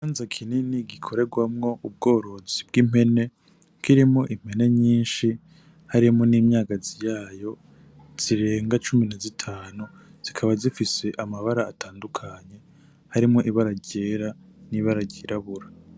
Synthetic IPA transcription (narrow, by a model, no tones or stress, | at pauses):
aːnzakʰininiɡikʰo̞ɾe̞ɡwamŋo̞ʔub̚ɡo̞ːɾo̞zib̚ɡim̥e̞ne̞ | kiɾimŋo̞ʔim̥e̞ne̞ɲiːnʃi | haɾimŋo̞niːmɲaːɡazijaːjo̞ | z̥iɾe̞ːŋɡat͡ʃuminazitʰaːnu | z̥ikʰaβazifise̞ʔamaβaɾaːtʰaːndukʰaɲe̞ | haɾimŋo̞ʔiβaɾaɟeːɾaniβaɾaɟiɾʔaβuɾa